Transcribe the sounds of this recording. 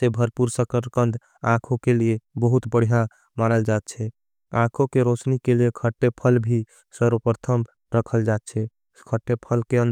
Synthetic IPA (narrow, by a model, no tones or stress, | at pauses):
sebʱəɾpuɾsəkəɾkənd̪ʱ | ãkʰokeliebəɦut̪bəɽ̤ijã | manəld͡ʒat̪̚t͡ʃʰɛ | ãkʰokeɾosnikeliekʰəʈːepʰəlbʱi | səɾʋəpɾət̪ʰəm | ɾəkʰəld͡ʒat̪̚t͡ʃʰɛ | kʰəʈːepʰəlkeənd̪